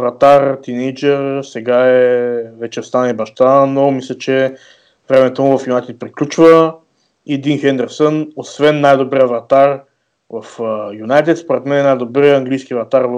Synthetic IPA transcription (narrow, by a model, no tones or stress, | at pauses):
vɐt̪aɾt̪inɛjd͡ʒɛɾsɛɡaɛvɛt͡ʃɛst̪anibɐʃt̪anomislʲət͡ʃɛ | vɾɛmɛt̪omʊvɐfjunajt̪ɛt̪̚pɾiklʲut͡ʃvə | id̪inxɛnd̪ɛɾsənosvɛnːajd̪obɾiəvɐt̪aɾ | vɐfjunajt̪ɛt̪spoɾɛt̪mɛnɛnajd̪obɾiɐŋɡlijsk̟ivɐt̪aɾv